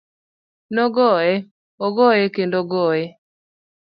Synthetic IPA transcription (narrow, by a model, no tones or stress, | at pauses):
nɔɡɔɛ | ɔɡɔɛkendoɡɔɛ